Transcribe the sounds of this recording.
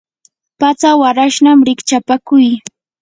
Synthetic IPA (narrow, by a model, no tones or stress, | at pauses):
pat͡sawaɾaʃnamɾɪkt͡ʃapakʊj